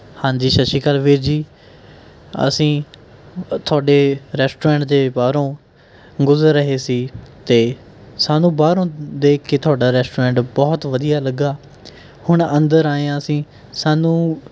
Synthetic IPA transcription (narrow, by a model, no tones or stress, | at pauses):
hãːnd͡ʒiːʃəʃiːkəlʋiːɾd͡ʒiː | ə̰sĩː | t̪ʰʊaːɖeːɾɛːsʈoːɾɛ̃ːɳʈd̪eːbaːɾõː | ɡʊzəɾːəɦeːsiːt̪eː | saːnũːbaːɾõːd̪eːkʰːeːt̪ʰʊaːɖaːɾɛːsʈoːɾɛ̃ːɳʈbɔːt̪ʋəd̪ijaːləɡaː | hʊɳənd̪əɾaːeãːəsĩː | saːnũː